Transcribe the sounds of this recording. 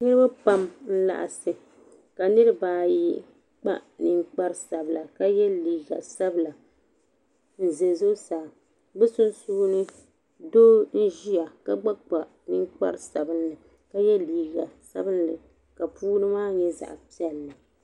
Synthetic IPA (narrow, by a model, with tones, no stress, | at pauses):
ɲɛ˦ba˦pa˦mn̩˦la̰˨ʔa̰˨sɨ˨ | ka˨nɨ˦ɾɨ˦baː˨ji˦ | k͡pa̰˦ʔnɨ˦ŋk͡pa˦ɾsa˨bla˨ka˦jɛ˦liː˨ɡa̰˨sa˦bla˨ | n̩˦ze˨zo˦saː˨ | bɛ˦sʊ˦nsuː˦nɨ˦ | doː˦n̩˦ʒi˦ja˨ka˦ɡ͡ba˦k͡pa˨ | nɨ˦ŋk͡pa̰˦ɾsa˨bɨ˦nlɨ˨ | ka˦jɛ˦liː˨ɡa˨sa̰˦bɨ˦nlɨ˨ | ka˨puː˦nɨ˦maː˦ɲɛ˦za̰˨ʔpi˦ɛ˨lːɨ˨